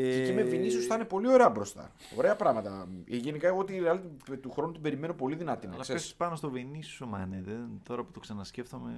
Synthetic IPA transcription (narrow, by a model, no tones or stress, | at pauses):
eimevinisosθɐne̞po̞lio̞ɾeɐbɾo̞st̪ɐ̰ | o̞̰ɾe̞ɐpɾɐɣmɐt̪ɐeʝe̞nikɐeɣo̞t̪iɐlit̪it̪uxɾo̞nut̪ibe̞ɾime̞no̞po̞liðinɐt̪inɐ̰seesi̥spɐnost̪o̞vinisomɐ̰neðent̪o̞ɾɐpu̥t̪oksɐnɐsceft̪omḛ